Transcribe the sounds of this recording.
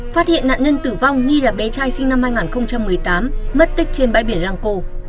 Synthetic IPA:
faː˦˥t̚hḭ˧˨əna̰ː˧˨nɲə˧nt̪ɨ˧˩va˧wŋ͡mŋi˧laː˨˩ɓe˨˦t͡ɕaː˧jsï˧ŋna˧mhaː˧jŋaː˨˩nxə˧wŋ͡mt͡ɕa˧mːɨ˨˩əjt̪aː˨˦mːə˦˥t̚t̪ï˦˥k̟̚t͡ɕe˧nɓaː˧jɓi˧˩ənzaː˧ŋko˧

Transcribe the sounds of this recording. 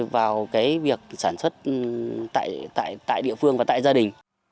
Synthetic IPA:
vaː˨˩wkaː˨˦jvi˨˩ək̚saː˧˩nswə˦˥t̚t̪a̰ː˧˨jt̪a̰ː˧˨jt̪a̰ː˧˨jɗḭ˧˨əfɨ˧əŋvaː˨˩t̪a̰ː˧˨zaː˧ɗï˨˩ŋ̟

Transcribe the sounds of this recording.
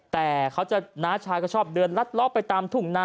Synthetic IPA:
t̪ɛː˨˩kʰa˦˥wt͡ɕa˨˩naː˦˥t͡ɕʰaː˧jkɔː˥˩t͡ɕʰɔː˥˩p̚dɯː˧nla˦˥t̪̚lɔ˦˥pːa˧jt̪aː˧mt̪ʰu˧˩ŋnaː˧˥

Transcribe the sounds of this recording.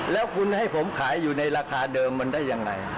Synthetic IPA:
lɛː˦˥wkʰu˧nha˥˩jpʰo˩˦mkʰaː˩˦jːuː˨˩na˧jɾaː˧kʰaː˧dɤː˧mːa˧ndaː˥˩jːa˧ŋɾa̰˧j

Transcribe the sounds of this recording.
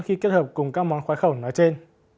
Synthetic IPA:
ŋ͡mxi˧ke˦˥t̚həː˨˩p̚kʊ˨˩ŋ͡mkaː˦˥k̚mɔ˨˦nxwaː˨˦jxə˧˩wnɔ˨˦jt͡ɕe˧n

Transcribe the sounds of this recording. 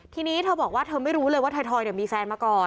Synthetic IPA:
t̪ʰiː˧niː˦˥t̪ʰɤː˧˩bɔː˨˩k̚waː˥˩t̪ʰɤː˧ma˥˩jɾuː˦˥lɤː˧jwaː˥˩t̪ʰa˧jt̪ʰɔː˧jni˨˩miː˧fɛː˧nmaː˧kɔː˨˩n

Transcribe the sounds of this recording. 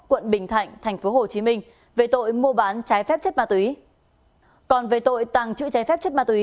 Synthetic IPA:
kwə̰˧˨nɓï˧˩ŋ̟t̪ʰa̰˧˨jŋ̟t̪ʰɛ˨˩jŋ̟fo˨˦ɦo˨˩t͡ɕi˨˦mï˧ŋ̟ | ve˨˩t̪o̰˧˨jmu˧əɓaː˨˦nt͡ɕaː˨˦jfɛ˦˥p̚t͡ɕə˦˥t̚maː˧t̪wi˨˦ | kɔ˨˩nve˨˩t̪o̰˧˨jt̪a˨˩ŋt͡ɕɨ̰˧˥t͡ɕaː˨˦jfɛ˦˥p̚t͡ɕə˦˥t̚maː˧t̪wi˨˦

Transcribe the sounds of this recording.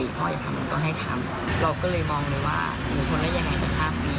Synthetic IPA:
pʰɔː˦˥jaː˨˩t̪ʰa˧mla˧t̪ɔ˥˩ŋɦa˥˩jt̪ʰa̰˧m | ɾa˧wkɔː˥˩lɤː˧jmɔː˧ŋlɤː˧jwa̰ː˥˩ | bɯː˨˩ŋkʰo˧nlaː˦˥˩ja˨˩ŋʔa˥˩t͡ɕa˨˩pʰaː˥˩p̚niː˦˥

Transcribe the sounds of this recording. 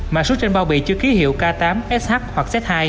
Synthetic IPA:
maː˨˩so˨˦˥t͡ɕe˧nɓa˧wɓḭ˧˨t͡ɕɨ˧əxi˨˦hḭ˧˨əwkaː˧t̪aː˨˦mʔɛ˦˥s̚haː˦˥k̚hwa˨˩k̚sɛ˦˥t̚haː˧j

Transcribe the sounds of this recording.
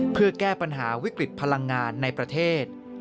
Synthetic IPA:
pʰɯ˥˩ɐkɛː˥˩pa˧nɦaː˩˦wi˦˥kɾi˨˩t̪̚pʰa˧la˧ŋːaː˧nːa˧jpɾa˧t̪ʰeː˥˩t̪̚

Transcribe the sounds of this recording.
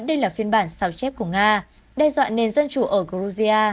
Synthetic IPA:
ɗə˧jlaː˨˩fi˧ənɓaː˧˩nsa˨˦wt͡ɕɛ˦˥p̚ku˧˩əŋaː˧ | ɗɛ˧zwa̰ː˧˨nːe˨˩nzə˧nt͡ɕu˧˩ʔəː˧˩ɣu˧zi˧ʔaː˧

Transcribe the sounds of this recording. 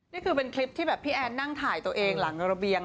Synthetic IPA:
niː˥˩kʰɯː˧pe˧nkʰli˦˥p̚t̪ʰiː˥˩bɛː˨˩pʰːiː˥˩ʔɛː˧nːa˥˩ŋt̪ʰaː˨˩jt̪u˧əʔeː˧ŋla˩˦ŋɾa˧bi˧əŋ

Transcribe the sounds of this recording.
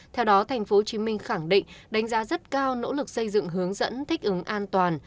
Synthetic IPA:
t̪ʰɛ˧wɗɔ˨˦t̪ʰa˨˩jŋ̟fo˨˦t͡ɕi˨˦mï˧ŋ̟xa˧˩ŋɗḭ̈˧˨ŋ̟ɗa˨˦ŋ̟zaː˨˦zə˦˥t̚kaː˧wno̰˧˥lɨ˨˩k̚sə˧jzɨ̰˧˨ŋɦɨ˨˦əŋzə̰˧˥nt̪ʰï˦˥k̟̚ʔɨ˨˦ŋʔaː˧nt̪waː˨˩n

